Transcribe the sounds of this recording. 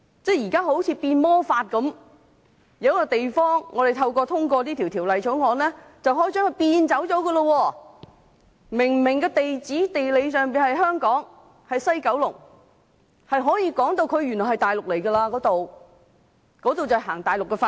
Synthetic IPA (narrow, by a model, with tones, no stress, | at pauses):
t͡sɛː˥˩jiː˨˩kaː˥ɦo˨˥wt͡sʰiː˨˧piː˧nmɔː˥faː˧t̚kɐ˨˧˥m | jɐ˨˧wkɔ˧t̪e˨jfɔː˥ŋːɔː˨˧ɾe˨jt̪ʰɐ˧wkɔː˧t̪ʰʊ˥ŋkɔː˧niː˥t̪ʰiː˨˩wt̪ʰiː˨˩wlɐ˨jt͡ʃʰɵ˨˥ŋɔː˨˧nlɛː˥t͡sɐ˨wɦɔː˨˥t͡sœː˨˥ŋhɵ˨˧jpiː˧nt͡sɐ˨˥wt͡sɔː˨˥kɡə˧lo˧wɔː˧ | mɪ˨˩ŋmɪ˨˩ŋkɛː˧t̪e˨jt͡siː˨˥t̪e˨jle˨˧jsœː˨ŋpiː˨nhɐ˨jɦœː˥ŋkɔː˨˥ŋ | hɐ˨jsɐ˥jkɐ˨˥wlʊ˨˩ŋ | hɐ˨jɦɔː˨˥jiː˧kɔː˨˥ŋt̪o˧wkʰɵ˨˧ɥy˨˩nɔː˨˩hɐ˨jt̪aː˨jlʊ˨k̚le˨˩jkɐ˧laː˧kɔː˨˥t̪o˨w | kɔː˨˥t̪o˨wt͡sɐ˨˩hɐ˨˩ɦaː˨˩ŋt̪aː˨jlʊ˨kːɛ˧faː˧